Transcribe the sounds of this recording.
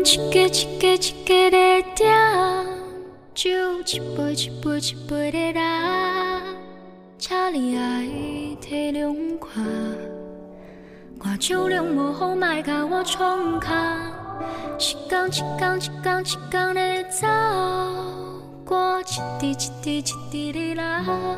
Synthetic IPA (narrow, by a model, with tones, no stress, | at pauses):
t͡ɕi̥˨kːe˧t͡ɕʰi̥kːe˧t͡ɕʰi̥kːe˧ɾe˧t̪ja˦ | t͡ɕu˥˩t͡ɕi̥˨pːe˧˩jt͡ɕʰi̥˨pːe˧˩jt͡ɕʰi̥pːe˧jɾe˧ɾa˧ | t͡ɕʰa˥li˨˧a˧it̪ʰe˧ɾjo˧ŋ̩kʰwa˩˨˩ | kwa˨t͡ɕʰjo˥˧ʊljo˥˧ŋmɔ˨˧˩xo˥wma˥˧˩ka˧˩wɔ˥˦t͡ɕʰɔ˧ŋ̩˧kʰa˧ | t͡ɕʰi̥˨kːa˧ŋt͡ɕʰi̥˨kːa˧ŋt͡ɕʰi̥˨kːa˥˧ŋt͡ɕʰi̥˨kːa˧ŋɾe˧t͡sa˦˧ | kwɔ˦t͡ɕʰi̥˨˩t̪i˧t͡ɕʰi̥˨t̪i˧t͡ɕʰi̥˨t̪ːi˧ɾe˧ɾa˧˦